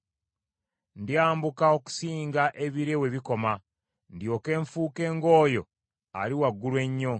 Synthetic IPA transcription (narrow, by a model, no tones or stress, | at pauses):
ndjaːmbukao̞ku̥siːŋɡaʔe̞βiɾe̞we̞βiko̞ma | ndjo̞ːke̞ːɱfuːke̞ːŋɡo̞ːjo̞ | a̰liwaɡːulwe̞ɲːo̞